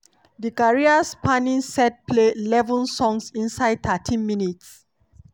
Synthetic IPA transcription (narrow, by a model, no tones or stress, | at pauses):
dikaɹiaspanĩnsɛt̚pʰlelɛvɔ̃nsɔ̃ŋsĩnsaɪd̚t̪ʰatʰĩnminits